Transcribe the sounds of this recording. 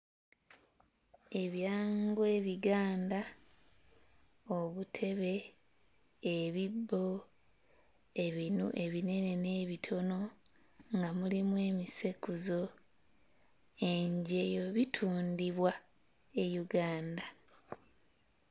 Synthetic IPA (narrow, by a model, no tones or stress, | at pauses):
e̞βjaːŋɡwe̞ːβiɡaːnda | oβutʰe̞βe̞ | βibːo̞ | e̞βinṵʔe̞βine̞ne̞ne̞ːβitʰo̞no̞ | ŋɡamulimwe̞ːmise̞kuzo̞ | e̞ɲɟe̞jo̞βitʰuːndiβwa | e̞juɡaːnda